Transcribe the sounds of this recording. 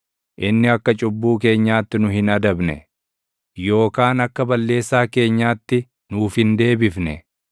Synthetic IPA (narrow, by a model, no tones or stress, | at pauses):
ʔɪnːɪɐkːɐt͡ʃʼʊbːuːke̞ːɲːaːt̪ːɪnʊɦɪnɐd̪ɐbnɛ̰ | jo̞ːkaːnɐkːɐbɐlːe̞ːsːaːke̞ːɲːaːt̪ːɪ | nuːfhɪnd̪e̞ːbɪfnɛ